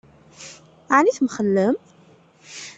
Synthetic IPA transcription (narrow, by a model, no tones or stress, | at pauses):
ʕniθmχəlːəm